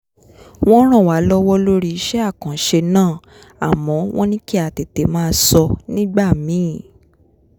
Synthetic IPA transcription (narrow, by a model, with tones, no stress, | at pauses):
w̃ɔ̃˦ɾ̃ã˦˨wa˨˦lɔ˦wɔ˦lo˦ɾi˦i˧ʃɛ˦a˦˨kã˨˦ʃe˧nãː˦˨ | a˨mɔ̃˨˦w̃ɔ̃˦nĩ˦ki˦a˦˨te˨˦te˨˦mãː˦˧sɔ˧nĩ˦ɡ͡ba˦˨mĩ˨˦˨